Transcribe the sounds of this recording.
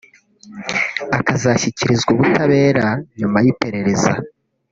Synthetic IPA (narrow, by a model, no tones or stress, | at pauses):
akazaçiciɾizɡuβutaβe̞ːɾaɲumajipe̞ɾe̞ɾe̞za̰